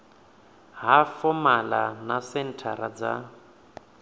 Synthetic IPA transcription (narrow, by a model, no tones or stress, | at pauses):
ɦafɔmalanasɛn̩tʰaɾad͡za̰